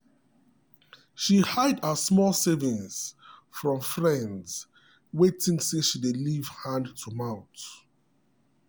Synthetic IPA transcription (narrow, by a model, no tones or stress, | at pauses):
ʃihaɪdəsmɔlˠsɛvĩnsfɹɔ̃mfɹɛ̃ndz̥ | wetĩŋsẽʃideliv̥hãndtʰumãʊ̃t